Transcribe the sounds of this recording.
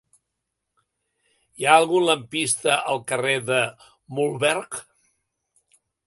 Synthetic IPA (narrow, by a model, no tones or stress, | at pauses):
iaəlˠɣunləmpist̪əʔəlˠkəreðə | mulˠβɛɾk